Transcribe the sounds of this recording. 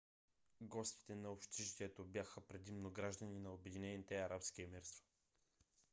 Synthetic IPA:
ɡɔst̪i̥t̪ɛnɐopʃt̪iʃt̪ɛt̪objaxəpɾɛd̪imnoɡɾaʒd̪əninɐobɛd̪inɛnit̪ɛɐɾapskiɛmɛɾst̪vo̥

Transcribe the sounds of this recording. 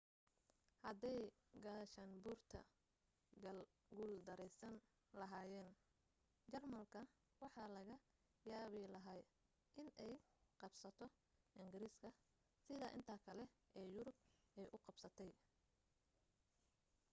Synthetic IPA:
hɐd̪ɛj | ɡɐʃanbuːrt̪ʰɐ̰ | ɐ | ɡuːld̪ɐɾɛjsɐn | lɐɦaːjɛːn | t͡ʃɐrmɐlkʰɐ | wɑħɑːlɐɣɐ | jaːβɪlɐɦaː | ʔɪnɛjqɑbsɐt̪ʰɔ | ʔɪŋɡɪɾiːskʰɐ | sɪðɐʔɪ̰nt̪ʰɐkʰɐlɛʔɛːjʊɾʊbɛjʔʊqɑbsɐt̪ʰɛj

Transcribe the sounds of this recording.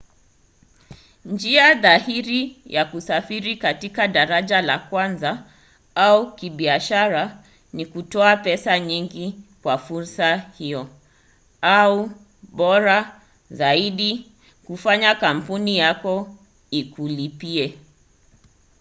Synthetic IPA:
nd͡ʒiaðahiɾijakusafiɾikatikaɗaɾaʄalakwanza | aukiɓiaʃaɾa | nikutɔapɛsaɲiŋɡikwafuɾsahijɔ | au | ɓɔɾa | zaiɗi | kufaɲakam̩punijakɔ | ikulipiɛ

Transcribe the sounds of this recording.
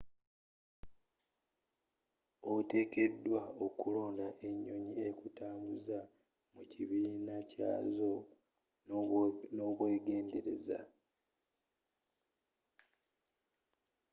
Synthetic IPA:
ote̞ːke̞dːwaokulo̞ːndaʔe̞ɲːo̞ɲiekutaːmbuza | muciβiːnaca̰ːzo̞ | no̞ːβwe̞ːɡe̞ːnde̞ɾe̞̰za̰

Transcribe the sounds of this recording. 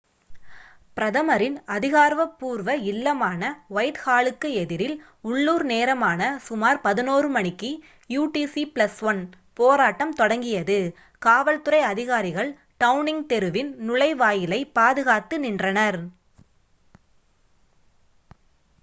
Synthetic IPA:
pɪɾɐðɐmɐɾɪnɐðɪɣaːɾʋɐpːuːɾʋɐɪlːɐmaːnɐʋɐjt̪haːɭɯkːɯɛðɪɾɪl | ʊɭːuːɾneːɾɐmaːnɐsʊmaːɾpɐðɪnoːrɯmɐɳɪkːi | juːʈiːsipɭɐsʋɐn | poːɾaːʈːɐmt̪ɔɽɐŋɡɪjɐðɯ | kaːʋɐlt̪ɯɾɐɪɐðɪɣaːɾɪɣɐɭ | ʈɐʊnɪŋɡ̚t̪ɛɾɯʋɪnnʊɭɐɪʋaːjɪlɐɪpaːðɯɣaːt̪ːɯnɪndrɐnɐɾ

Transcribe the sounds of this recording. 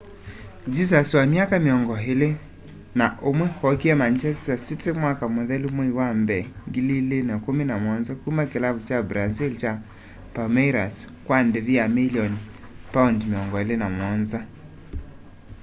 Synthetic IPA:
d͡ʒis̬aswamjakameɔŋɡɔɦele | naʔomwɛhɔkiɛmant͡ʃɛstasitemwakamoðɛlumwɔiwambɛŋɡililenakomenamwɔnzakumakelaβut͡ʃabɾazilt͡ʃa | pamɛɾas | kwandeβjamiliɔn | paundmeɔŋɡɔelenamwɔnza

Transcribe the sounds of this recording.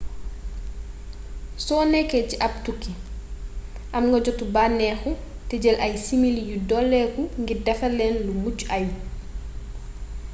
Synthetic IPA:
sɔːnɛkɛciʔap̚tukːi | ʔamŋɡɔɟɔtubanɛxu | tɛɟɛlʔajsimiljudɔlːɛkuŋɡidɛfalɛnlumut͡ʃaj

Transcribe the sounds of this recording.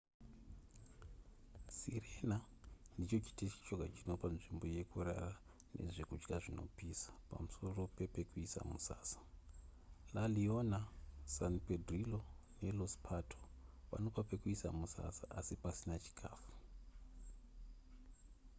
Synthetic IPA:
sirenandit͡ʃo̞t͡ʃi̥tet͡ʃi̥t͡ʃoɡʱat͡ʃino̞panʐimbo̞je̞kuɾa̰ra | nʔe̞̰ʐekud͡ʒɡaʐino̞̰piːsḁpa̰muso̞ro̞pe̞pe̞kuisa̰mṵsa̰ːsḁ | lalionasanpedʱrilo̞ne̞lospʰatʰoʋa̰no̞pape̞kuisamusa̰saʔasipasinat͡ʃi̥kʰaːfu̥

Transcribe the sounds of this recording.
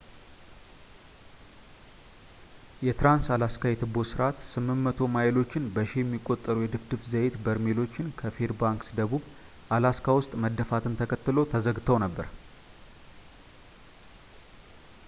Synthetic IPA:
jɛt̪ɾansalaskajɛt̪ʰɨbo̞sɨɾʔat̪sɨmːɨnːət̪ʰo̞majɪlo̞t͡ʃːɪnbəʃejɛmːikʼːo̞t̪ʼːəɾujɛd̪ɨbd̪ɨfzəjet̪bəɾmelo̞t͡ʃːɪnkʰəfeɾbaŋksd̪əβuβ | ʔalaskʰawʊst̪ʼməd̪əfat̪ʰɨnt̪ʰəkʰət̪ːɨlo̞t̪ʰəzəɡt̪ʰəwnəbːəɾ

